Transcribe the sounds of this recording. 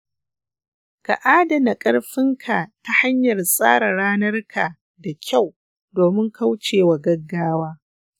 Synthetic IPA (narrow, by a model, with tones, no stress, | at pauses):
ka̰˨ʔaː˦dɐ˨na˨kʼɐ˦ɽɸɪ˦ŋkʰa˨ta˦ha˦ɲjɐ˨rsʼa̰ː˦ɾa˨ɽaː˦nɐ˦rkʰa˨ | da˨kʲʰa˦˨w | doː˨mɪ˦ŋkʰa˦wt͡ʃeː˨wa˨ɡɐ˦ɡːaː˦waː˦